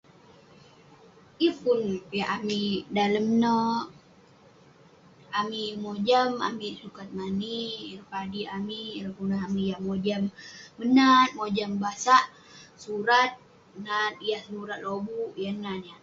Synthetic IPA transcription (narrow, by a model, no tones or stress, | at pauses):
iəpunjaʔamidaləmnə | amimod͡ʒəma̰misukat̪̚manipadiamiɾəpunaɦamijamod͡ʒamːənat̪̚mod͡ʒambasaʔ | suɾat̪̚ | nanijahsənuɾat̪̚lobuʔjananja